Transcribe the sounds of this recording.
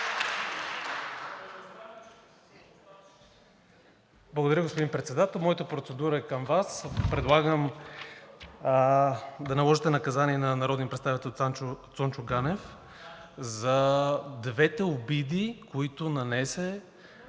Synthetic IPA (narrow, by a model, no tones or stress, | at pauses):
blˠɐɡod̪ɐɾəɡospʊd̪inpɾɛt̪sɛd̪at̪ɛlˠmɔjɐt̪əpɾot̪sɛd̪uɾəɛkəmvaspɾɛd̪lˠaɡəm | d̪ɐnɐlˠɔʒit̪ɛnɐkɐzaniɛnɐnɐɾɔd̪nipɾt̪t̪avit̪ɛlˠtt̪sɔnt͡ʃʊɡanɛf | zɐd̪vɛt̪ɛʊbid̪ikoit̪ʊnɐnɛsɛ